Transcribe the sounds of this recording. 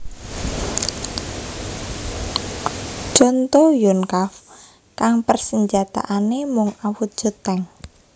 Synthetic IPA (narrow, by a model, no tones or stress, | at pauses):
t͡ʃɔnt̪ɔjɔnkaf | kaŋpərsəɲd͡ʒat̪a̰ʔanemʊŋawut̪̚ʒ̥o̤t̪ɛŋ